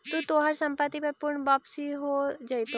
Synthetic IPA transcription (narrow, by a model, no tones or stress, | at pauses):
t̪ut̪oːɦəɾsɐ̃mpət̪ːipepʊɾɳbaːpsiɦod͡ʒait̪o